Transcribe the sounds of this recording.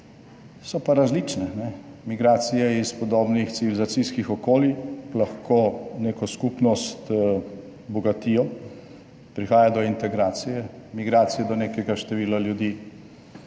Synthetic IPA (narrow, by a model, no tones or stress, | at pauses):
sɔpaɾazlit͡ʃnɛnɛmiɡɾaːt̪sijɛispɔd̪oːbnixsiʋilizat̪siskixɔkoːlilaxkoːneːkɔskupnɔst̪ | bɔɡat̪iːjɔ | pɾixaːjad̪ɔint̪ɛɡɾaːt̪sijɛmiɡɾaːt̪sijɛd̪ɔneːkɛɡaʃt̪ɛʋiːlaljud̪iː